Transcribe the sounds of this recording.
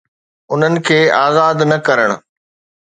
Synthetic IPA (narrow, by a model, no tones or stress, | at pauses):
ʊn̤ənɪ̆kʰeːaːzaːd̪nɐ̃kɐɾəɽ̃ʊ̆